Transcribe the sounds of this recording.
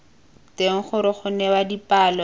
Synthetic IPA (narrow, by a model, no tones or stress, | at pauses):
teŋ̩χʊɾɪχʊnɛwadipaːlɔ